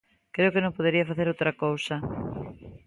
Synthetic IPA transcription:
kɾeʊkenõmpoðeɾiɐfaθeɾowt̪ɾɐkowsɐ

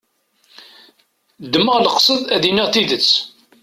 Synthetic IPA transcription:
d̪ːməʁləqsˤəðˤæðinːiʁθiðət͡sː

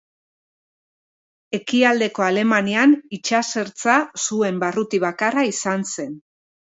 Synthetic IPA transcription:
e̞kiald̪e̞ko̞ale̞manianit͡ʃase̞ɾt͡sasue̞mbarut̪iβ̞akaraisanse̞n

